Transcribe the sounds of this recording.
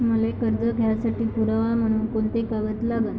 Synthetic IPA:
m̤əlekəɾd͡zəɡʱjasaʈiːpuɾaʋam̤əɽ̃uːnkoɳt̪ekaʋət̪laɡən

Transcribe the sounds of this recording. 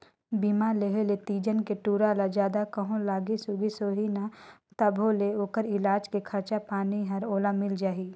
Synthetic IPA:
biːmaleɦelet̪iːd͡ʒənkeʈuːɾalad͡ʒjaːd̪akɐɦõlaːɡisʊɡisoːɦinat̪ɐbʱoleoːkəɾɪlaːd͡ʒkekʰɐɾt͡ʃapaːniɦɐɾoːlamɪld͡ʒaːɦiː

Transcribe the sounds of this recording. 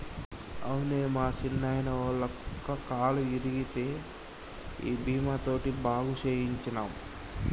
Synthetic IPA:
ɐwuneːmaːt͡ʃinːaːjnɐoːlɐkːɐkaːluiɾiɡit̪e̞ː | ḭːbʱiːmat̪o̞ːʈibaːɡut͡ʃeːjiɲt͡ʃinaːm

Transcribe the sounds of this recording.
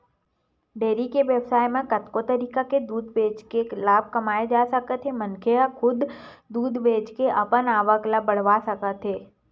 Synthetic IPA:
ɖeːɾikeʋjəbsaːjmẽkət̪kot̪əɾiːkaked̪uːd̪beːd͡ʒkelaːb̚ʱkɐmaːed͡ʒaːsəkət̪ʰemənkʰeəxʰʊd̪d̪uːd̪beːd͡ʒkeʔɐpənaːʋəklabɐɽ̤ʋasəkət̪ʰɦeː

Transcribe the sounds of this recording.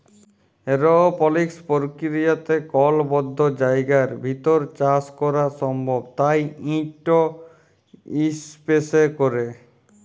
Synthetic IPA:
eɾoopɔlikspoɾkiɾijat̪ekɔlbɔd̪ʱːod͡ʑajɡaɾbʱit̪oɾt͡ɕaskɔɾaʃɔmbʱobt̪ajĩʈo | ispesekoɾe

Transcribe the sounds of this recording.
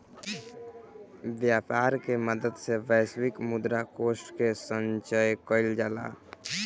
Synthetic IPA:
ʋjaːpaːɾkeməd̪əd̪seʋɛːswɪkmʊd̪ɾakoːsʈkesənt͡ʃəjkəɪld͡ʒaːla̰ː

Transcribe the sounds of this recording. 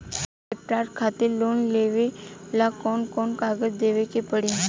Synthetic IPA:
ep̚ʈaɾʈkʰat̪ilonleʋelakɔnkɔnkaɡəd͡ʑd̪eʋekepəɽi

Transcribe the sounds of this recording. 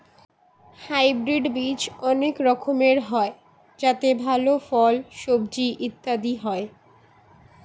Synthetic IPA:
hajbɾiɖbid͡ʑɔnekɾɔkʰomeɾɦɔe | d͡ʑat̪ebʱalofɔlʃobd͡ʑiʔit̪ːad̪iɦɔe

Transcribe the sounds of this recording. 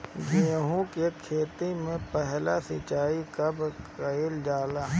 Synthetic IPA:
d͡ʒeːɦũkekʰeːt̪imẽpɛɦlasɪt͡ʃaːikɐbkəild͡ʒaːlaː

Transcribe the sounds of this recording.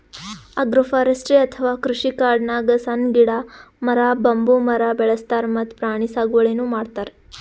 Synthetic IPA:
ɐɡɾɐfaːɾɐsʈɾeɐt̪ʰɐʋaːkɾuʂikaːɾɖnaːɡɐsɐnɡiɽamɐɾaːbɐmbumɐɾabɛɭɐst̪aːɾmɐt̪pɾaːɳ̃isaːɡuʋɐɭenuːmaːɖt̪aːɾe

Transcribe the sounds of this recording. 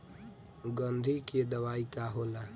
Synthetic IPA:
ɡənd̪ʱiked̪əʋaːikaɦoːla

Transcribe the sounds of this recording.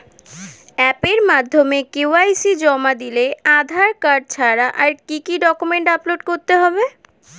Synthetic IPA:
ɛpeɾmad̪ʱːomekewajsid͡ʑɔmad̪ilead̪ʱaɾkaɾɖ̚t͡ɕʰaɾaʔaɾkikiɖɔkumeɳʈaploɖkoɾt̪eɦɔbe

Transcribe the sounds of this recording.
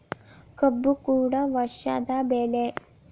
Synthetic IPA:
kəbːukuːɽaʋɐʃa̰d̪abeːle

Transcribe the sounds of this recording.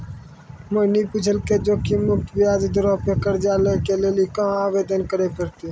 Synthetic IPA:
mənipʊt͡ʃʰəlked͡ʒoːkimʊkʈ̪ʋɪjaːd͡ʒd̪əɾɔːpekəɾd͡ʒaːlekeleːlikəɦãaːʋeːd̪ənkəɾekəɾt̪iː

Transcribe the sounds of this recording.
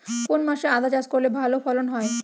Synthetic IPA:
konmaʃead̪ʱad͡ʑad͡ʑkoɾlebʱalofɔlonɦɔe

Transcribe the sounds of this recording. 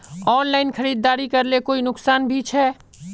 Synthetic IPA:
ɔːnlaːɪnkʰəɾiːd̪ːaːɾikɐɾlekoːinʊksaːnbʱit͡ʃʰɛː

